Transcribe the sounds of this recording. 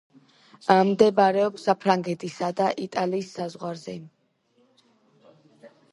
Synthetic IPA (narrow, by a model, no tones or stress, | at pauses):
amd̪ɛbaɾɛɔpsapʰɾaŋɡɛt̪ʰisad̪aʔit̪ʼaliːsːazʁwaɾzɛ